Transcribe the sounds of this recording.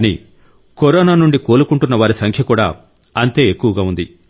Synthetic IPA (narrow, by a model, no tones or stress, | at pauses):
nḭ | kɔɾɔːnaːnuɳɖikoːlukuɳʈunːɐʋaːɾisɐŋkʰjɐkuːɽa̰ː | ɐnt̪e̞ːekːuʋɐɡaːund̪i